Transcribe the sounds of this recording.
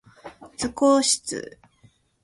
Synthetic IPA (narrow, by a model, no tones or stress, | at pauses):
t͡sɨkoːɕi̥t͡sɨ̰